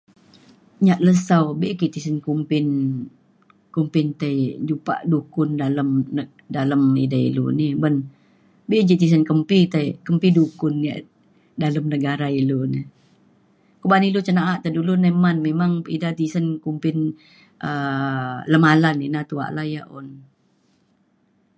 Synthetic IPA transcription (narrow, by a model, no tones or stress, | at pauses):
ɲaʔləsawbeʔkiʔt̪isənkumpɪn | kumpɪnt̪ajd͡ʒupa̰ʔdukʊndaləmə | daləmḭdaḭlṵnibən | beʔd͡ʒiʔt̪is̬ənkəmpit̪aikəmpidukʊnːa̰ʔ | daləmnəɡaɾailuni | kəbanilut͡ʃənaʔaʔt̪adulunemanmemaŋḭdat̪isənkumpɪn | ʔə | ləmalaninat̪ua̰ʔlajaʔun